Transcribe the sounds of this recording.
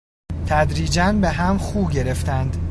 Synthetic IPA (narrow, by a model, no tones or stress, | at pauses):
t̪ʰæd̪ɾiːd͡ʒænbe̞ɦæmχuːbɟe̞ɾe̞ft̪ænd̪